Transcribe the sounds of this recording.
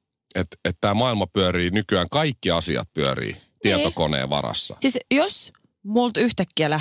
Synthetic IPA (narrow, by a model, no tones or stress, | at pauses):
et̪et̪t̪æːmɑilmɑpyøɾiːnykyæːŋkɑikːiɑsiɑ̰t̪̚pyørḭːt̪iɑt̪okonḛːʋɑ̰rɑ̰sːɑ̰sisjos | mult̪yht̪ækːiælæ